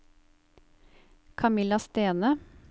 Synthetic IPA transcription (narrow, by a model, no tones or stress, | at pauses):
kʰɑmɪlɑst̪eːnə